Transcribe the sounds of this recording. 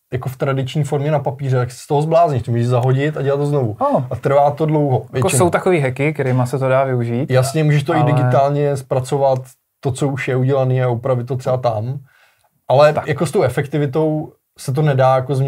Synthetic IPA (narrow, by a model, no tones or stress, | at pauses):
jakoft̪ɾadɪt͡ʃɲiːfo̞ɾmɲɛnapapiːrɛt̪aksst̪oɦozblaːzɲɪʃtɛmuʒɛzaɦo̞ɟɪt̪aɟɛlat̪toznovuʔat̪ɾ̩vaːt̪o̞dlo̞wɦo̞vjɛt͡ʃɪowt̪akoviːɦɛkɪkɛɾimasɛt̪odaːvɪuʒiːt̪jasɲɛmuːʒɛʃt̪oɪɪɡɪt̪aːlɲɛspɾat͡so̞vat̪ː | o̞t͡so̞uʃjɛuɟɛlaniːaupɾavɪt̪ːot̪rɛbat̪am | ʔalɛjako̞st̪o̞wʔɛfɛkt̪ɪvɪt̪̬o̞w | sɛt̪̬o̞nɛdaːjako̞zmɲ